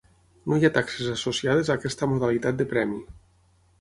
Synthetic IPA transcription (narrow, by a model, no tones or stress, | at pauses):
nojat̪aksezasosiað̞ezaːkɛst̪amoðalit̪at̪̚d̪epɾɛmi